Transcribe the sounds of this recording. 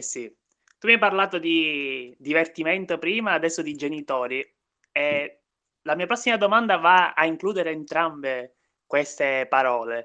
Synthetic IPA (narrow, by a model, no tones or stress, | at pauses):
si | t̪umːiajparlaːt̪od̪id̪ivert̪iment̪opɾiːmaːd̪ɛsːod̪id͡ʒenit̪oːɾi | e | lamiːapɾɔsːimad̪omand̪avaa̰iŋkluːd̪eɾeːnt̪ɾambe | kwest̪epaɾɔːle